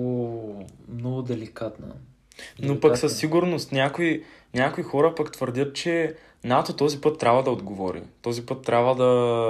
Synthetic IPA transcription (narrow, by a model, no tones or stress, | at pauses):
mnɔɡʊd̪ɛlikat̪nə̰ | nnopɐksɐsːiɡʊɾnost̪nʲakoinʲakoixɔɾəpɐkt̪vəɾd̪ʲət̪̚t͡ʃɛ | nat̪ot̪ɔzipɤt̪ːɾʲabvəd̪ɐod̪ɡovɔɾḭt̪ɔzipɤt̪ːɾʲabvəd̪ɐ